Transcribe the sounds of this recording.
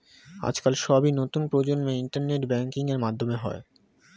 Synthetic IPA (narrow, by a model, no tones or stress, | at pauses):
a̰d͡ʑkalʃɔbinot̪unpɾod͡ʑonmeiɳʈaɾneʈbɛŋkiŋeɾmad̪ʱːomeɦɔ̰e